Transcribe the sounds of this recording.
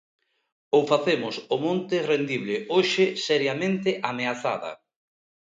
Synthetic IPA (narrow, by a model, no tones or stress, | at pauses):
owfaθemʊsʊmõnt̪ɪrend̪iβlɪoʃɪsɛɾjamẽnt̪ɪʔameaθa̰ðɐ̰